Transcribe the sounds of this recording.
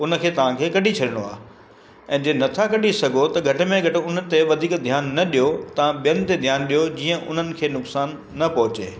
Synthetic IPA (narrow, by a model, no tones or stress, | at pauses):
ʊnə̆kʰeːt̪ɐʋ̤ãkʰeːkɐɖʱit͡ɕʰɐɗɪɽ̃oa̰ː | ɛ̃ːd͡ʑeːnɐt̪ʰakɐɗʱisɐɡʱot̪ɐɡʱɐʈɪ̆mẽɡʱɐʈɪ̆ʊn̤əɪ̆t̪eʋɐd̪ʱiːkd̪ʱjaːnːɐɗijot̪ɐʋ̤ãɓijənɪ̆t̪ed̪ʱjaːnɗijod͡ʑiːə̃ʔʊn̤ənɪ̆kʰeːnʊksaːnːɐpɐɦʊt͡ɕeː